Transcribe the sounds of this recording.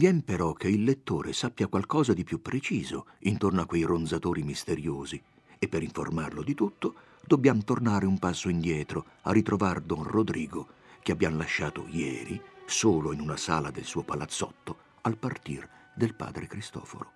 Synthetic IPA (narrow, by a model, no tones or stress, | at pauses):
vjɛmpeɾɔk̟ːeilːet̪ːoːɾesapːjakwalkɔːzad̪ipjupːɾʔet͡ʃiːzoint̪ornoakːwejrond̪zat̪oːɾimist̪eɾjoːzi | epːeɾiɱformarlod̪it̪ut̪ːo | d̪obːjamt̪ornaːɾeumpasːoind̪jɛːt̪ɾo | a̰rːit̪ɾovard̪ɔnrod̪ɾiːɡok̟eabːjamlaʃːaːt̪o̰jɛ̰ːɾisoːloinunasa̰ːlad̪elsuːopalat̪sːɔ̰t̪ːo | alpart̪ird̪elpa̰ːd̪ɾekɾist̪ɔ̰ːfo̰ɾo